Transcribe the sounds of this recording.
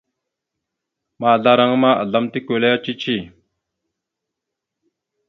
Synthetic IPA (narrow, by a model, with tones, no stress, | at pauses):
ma˨ɮa˦ɾa˨ŋə˦ma˦ʔə̰˨ɮa˦mt̪i˦kø˨la˦ja˦t͡ʃi˦t͡ʃi˦